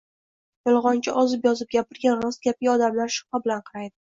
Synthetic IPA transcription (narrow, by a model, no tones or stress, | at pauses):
jɒlˠʁɒnt͡ʃʰɪʔɒzɪpjɒzɪp̚ɡʲapɪɾɡʲanɾɒst̪̚ɡʲap̚iɒd̪amlaɾʃʊ̥qabɪlanqʰɑɾajd̪ɪ